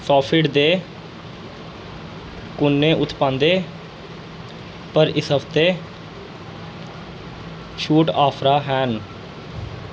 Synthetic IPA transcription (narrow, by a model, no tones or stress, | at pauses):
sɔːpʰɪɽd̪eː | kʊnːẽːʔʊt̪ʰpãːnd̪eː | pəɾɪsɦəpt̪eː | ʃuːʈaːpʰɾaːɦɛːn